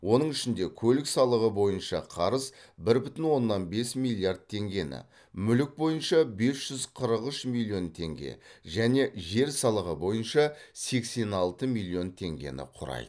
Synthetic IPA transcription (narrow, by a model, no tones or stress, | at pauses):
wo̞nəɴɪʃɪnd̪ekʲʰɵlɪksɑlˠəʁəbo̞jənʃɑqʰɑɾəsbɪɾbʏt̪ɪnwo̞nːɑnbe̞smijlʲˠijard̪̚t̪ʰe̞ŋɡʲe̞nɪ̰ | mʏlɪk̚bo̞jənʃɑbe̞sʒ̥ʏzqʰəɾəqəʃmilʲˠjo̞nt̪ʰe̞̰ŋɡʲe̞̰ʒæne̞ʒe̞ɾsɑlˠəʁəbo̞jənʃɑse̞kse̞nɑlˠt̪əmilʲˠio̞nt̪ʰe̞ŋɡʲe̞̰nɪ̰qʰʊɾɑ̰jd̪ə